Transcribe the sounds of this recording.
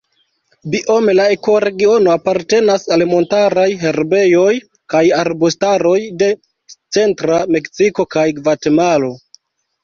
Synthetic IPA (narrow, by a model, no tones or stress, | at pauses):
biʔo̞me̞laeko̞ɾe̞ɡio̞no̞apaɾte̞nasalmo̞ntaɾajɦe̞ɾbe̞jo̞j | kajaɾbustaɾo̞jde̞ | t͡se̞ntɾame̞ksiko̞kajɡvate̞malo̞